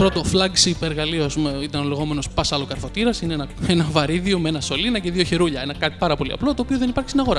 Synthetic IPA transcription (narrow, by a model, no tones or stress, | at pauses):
pɾo̞t̪o̞flɐɡsipeɾɣɐliosumeit̪ɐnole̞ɣo̞me̞no̞spɐsɐlokɐɾfo̞t̪iɾɐsineenɐe̞nɐvɐɾiðiomeenɐso̞linɐceðio̞çeɾuʎɐe̞nɐkɐt̪i̥pɐɾɐpo̞lḭɐ̰plo̞t̪oːpioðe̞nipɐɾçi̥st̪inɐɣo̞ɾɐ